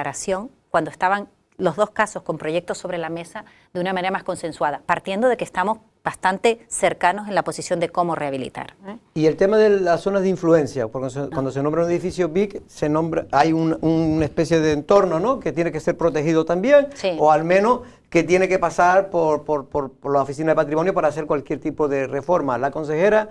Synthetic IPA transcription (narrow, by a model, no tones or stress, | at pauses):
aɾasjo̞ŋ | kwand̪oest̪aβaŋ | lo̞zðo̞skaso̞sko̞mpɾo̞ʝe̞k̚t̪oso̞βɾe̞lame̞sa | d̪eunamãneɾamasko̞nsẽ̞nswað̞apaɾt̪je̞nd̪oðe̞kest̪amo̞z | b̥ast̪ant̪e̞se̞ɾkano̞se̞nlapo̞sisjo̞nd̪eko̞more̞aβilḭt̪a̰ɾie̞lt̪e̞maðeasso̞naðeiɱfluẽ̞nsjawoɾk̪osekwand̪osenõmbɾauneðifisjoβikse̞nõmbɾaajununaespe̞sjeðeːnt̪o̞ɾno̞no̞ke̞t̪je̞neke̞se̞ɾpɾo̞t̪e̞xið̞ot̪ambje̞ŋsio̞almẽno̞s | ke̞t̪je̞neke̞pasaɾpo̞ɾpoɾpoɾlaofisinaðepat̪ɾimo̞njo̞paɾaːse̞ɾkwalkje̞ɾt̪ipo̞ðe̞re̞fo̞ɾmalakõ̞ns̬e̞xe̞ɾa